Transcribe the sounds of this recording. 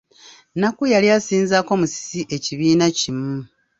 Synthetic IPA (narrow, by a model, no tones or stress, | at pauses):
nakujaliasiːnzako̞musi̥siʔe̞ciβiːnacimu